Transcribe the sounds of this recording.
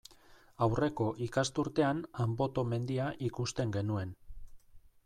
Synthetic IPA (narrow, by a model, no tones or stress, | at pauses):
awre̞ko̞ʔikast̪uɾt̪e̞anambo̞t̪o̞me̞nd̪iaʔikust̪e̞ŋɡe̞nue̞n